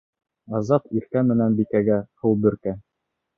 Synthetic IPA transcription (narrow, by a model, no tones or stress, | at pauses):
ɑzɑt̪iɾkæmɘ̆nænbikæɡæhulˠbɵ̆ɾkæ